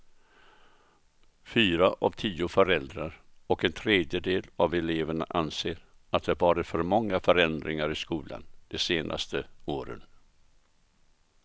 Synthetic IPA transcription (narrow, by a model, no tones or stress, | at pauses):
fyːɾaʔa̰vt̪ʰiːʊfœɾɛld̪ɾaɾɔkɛnt̪ʰɾeːd̪jəd̪eːlavɛleːvəɳa̰ʔanseːɾ | at̪̚d̪ɛæɾvɑːɾɪt̪fœɾmɔŋːafœɾɛnd̪ɾɪŋaɾɪskuːla̰nd̪̥ɛseːnʔa̰st̪əoːɾə̰n